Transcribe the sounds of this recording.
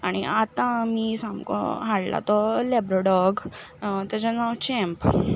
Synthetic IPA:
aɽ̃iat̪ãmisamkɔ̰̃ɦaɽla̰t̪ɔlɛbɾɔɖɔɡt̪jat͡ɕanawt͡ɕiɛ̃mp

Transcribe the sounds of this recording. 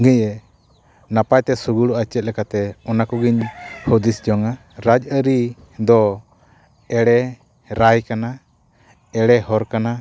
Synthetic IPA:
ɡɛjɛ | napajt̪ɛsuɡuɽuat͡ʃɛt̪̚lɛkat̪ɛɔnakɔɡiɲhɔd̪isd͡ʒɔŋa | ɾad͡ʒəɾi | d̪ɔ | ɛɽɛ | ɾajkana | ɛɽɛɦɔɾkana

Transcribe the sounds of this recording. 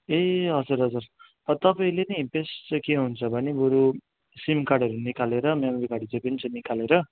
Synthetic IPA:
eɦʌd͡zuɾɦʌd͡zur | pʌt̪ʌpaĩlenʌpesʈt͡sʌkeɦunt͡sʰʌbʱʌnibuɾu | simkarɽʌɾunikaleɾʌmemʌɾikaɽit͡sʌ̃j̃pʌnit͡sʌ̃j̃nikaleɾʌ

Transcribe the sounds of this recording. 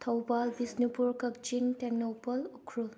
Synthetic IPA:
t̪ʰɐwbalbisnipuɾkɐk̚d͡ʒiŋteknopɐlukʰɾul

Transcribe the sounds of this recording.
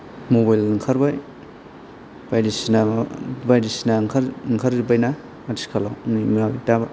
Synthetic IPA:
mobajlɯŋkʰaɾbaj | b̥ajdisinabajdisinaŋkʰaɾŋkʰaɾibajna | ati̥skʰalawnimiɾabitaba

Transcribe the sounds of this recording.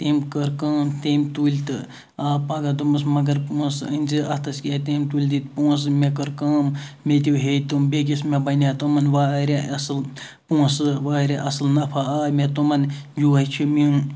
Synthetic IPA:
t̪emkəɾkɐːmt̪eːmt̪ulʲt̪ɨ | aːpaɡɐd̪umɨs̬mɐɡɐɾpũːsə̰nʲzɨʔɐt̪ɐskʲeːt̪eːmʲt̪ulʲd̪it̪pũːs̬mekəɾkɐːmmet̪̬ʲiɦet̪umbeɡʲismebɐnʲat̪umɐnʋaːɾʲeɐsɨl | pũːsɨʋaːɾʲeʔɐsɨlnɐpʰaaːmet̪umɐnd͡ʒuːɐt͡ʃʰimĩ

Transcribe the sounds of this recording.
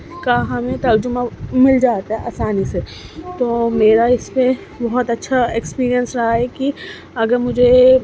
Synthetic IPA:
kaɦɐmẽt̪ɐɾd͡ʒʊmamɪld͡ʒaːt̪aɦɛʔɐ̰ːsaːniset̪oːmeːɾaɪspe | bɐɦɔt̪ɐtːʃʰaekspiːɾijə̃nsɾɐɦaɦɛki | ɐɡəɾmʊd͡ʒʱe

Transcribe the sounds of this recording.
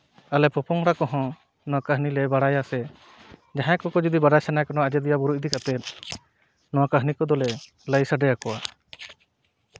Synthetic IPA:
alɛpɔpɔŋɾakɔɦɔ̃ | nɔwakəɦnilɛbaɽajasɛ | d͡ʒaɦãkɔkɔd͡ʒɔd̪ibaɖajsɛnajkɔnaaəd͡ʒɛd̪ijabuɾuʔd̪ikat̪ɛt̪̚ | nɔwakəɦnikɔd̪ɔlɛ | ləjsaɖɛjakɔwa

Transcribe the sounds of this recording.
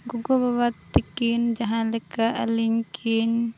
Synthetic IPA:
ɡuɡɔbawat̪ːikind͡ʒaɦãlɛkaʔa̰liɲkʰin

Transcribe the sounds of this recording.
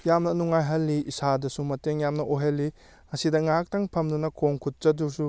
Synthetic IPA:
jamnɐnuŋajɦɐlːiisadɐsumɐteŋjamnɐʔoɦɐlːi | ɐsidɐŋak̚tɐŋpʰɐmdunɐkʰoŋkʰut̚t͡ʃɐdusu

